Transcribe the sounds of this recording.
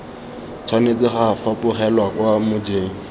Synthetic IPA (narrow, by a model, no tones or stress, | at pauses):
t͡sʰwanet͡sʼɪχafapʊχɛlwakwamʊd͡ʒeːŋ̩